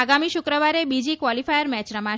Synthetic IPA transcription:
aɡamiʃʊkɾəʋaɾebid͡ʒikʋɔlifajəɾmɛt͡ʃɾəmã

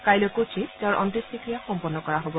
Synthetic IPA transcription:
kajlokot͡ʃʰiteaɹʔɔ̰ntistikɹijaxɔmpɔnːɔkɔɹaɦobɔ

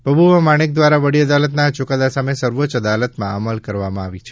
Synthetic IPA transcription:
pɾəbʱuʋəmaɽ̃ek̚d̪ʋaɾaʋəɽiəd̪alət̪nat͡ʃukad̪asamesəɾʋot͡ʃəd̪alət̪mãaməlkəɾʋamãaʋit͡ʃʰe

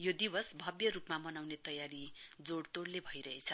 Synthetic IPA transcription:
jod̪ibʌsbʱʌbjʌɾupmamʌnawnet̪ʌjaɾid͡zoɽt̪oɽlebʱʌiɾʌɦet͡sʰʌ

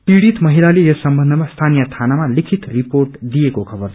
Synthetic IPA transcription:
piɽit̪mʌɦilalejesʌmbʌnd̪ʱʌmast̪ʰanijʌt̪ʰanamalikʰit̪riporʈd̪ijekokʰʌbʌr

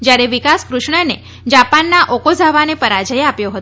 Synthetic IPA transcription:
d͡ʒjaɾeʋikaskɾuʃɳəne | d͡ʒapanːaʔokozʱaʋanepəɾad͡ʒəjeapjoɦət̪

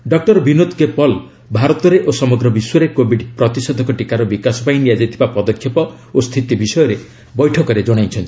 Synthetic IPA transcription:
ɖɔk̚ʈɔɾbʱinod̪kepɔl | bʱaɾɔt̪ɔɾeʔosɔmɔɡɾɔbiswɔɾekobʱiɖpɾɔt̪isɔd̪ʱɔkɔʈikaɾɔbikasɔpaĩnijad͡ʒajt̪ʰibapɔd̪ɔkʰːjɔpɔ | ost̪ʰit̪ibisɔjɔɾe | bɔjʈʰɔkɔɾed͡ʒɔɽ̃ajt͡ʃʰɔnt̪i̥

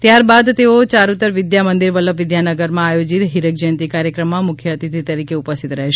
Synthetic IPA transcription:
t̪jaɾbad̪t̪eot͡ʃaɾut̪ːəɾʋɪd̪jamənd̪iɾʋələpʋɪd̪janəɡəɾmãːjod͡ʒit̪ɦiɾək̚d͡ʒənt̪ikaɾjəkɾəmːãmʊkʰjəət̪it̪ʰit̪əɾikeupəst̪ʰit̪ɾəɦeʃ

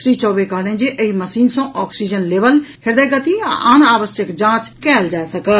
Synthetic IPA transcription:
sɾiːt͡ʃɔːbekaːlẽːd͡ʑeʔəimɐsiːnsõʔɔːksiːd͡ʒənleːʋəlhɪɾd̪əːɡɐt̪iãʔaːñaːʋəsjəkd͡ʒãːt͡ʃkɛːld͡ʒaːesɐkə

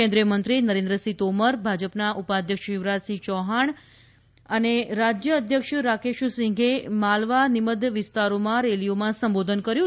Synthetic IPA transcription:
ẽnd̪ɾijəmənt̪ɾinəɾẽnd̪ɾəsit̪oməɾbʱad͡ʒəpnaʔupad̪ʱjəkʃɪʋɾasit͡ʃɔɦaɳ | əneɾad͡ʒjəːd̪ʱjəkʃɾakeʃsɪ̃ŋɡʱemalʋaniməd̪ʋɪst̪aɾomãɾelijomãsəmbod̪ʱənkəɾjũ

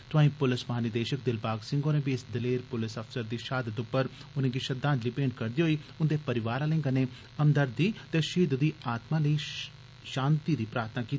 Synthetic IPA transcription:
t̪ʊãːĩːpʊlɪsmɐɦaːnɪd̪eːʃək̚d̪ɪlpaːɡsɪ̃ŋɡoːnẽːbiɪsd̪ɪleːɾpʊlɪsəpsəɾd̪iːʃaːd̪ət̪ʊpːəɾʊnẽːɡiːʃəd̪ãːnd͡ʒliːpẽːɳɖkəɾd̪iːɦoːiːʊnd̪eːpəɾɪʋaːɾãːlẽŋɡənẽː | əmd̪əɾd̪iːt̪eːʃiːd̪d̪iːaːt̪mãːləiː | ʃãːnt̪iːd̪iːpɾaːɾt̪ʰnaːkiːt̪ː

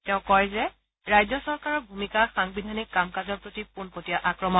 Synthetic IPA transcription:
tɛʊ̃kɔɹɛzɛ | ɹajzɔsɔɹkaɹɔɹbʱumikaxaŋbidʱanikːamkazɔɹpɹotipunpotijaʔakɹɔmɔ

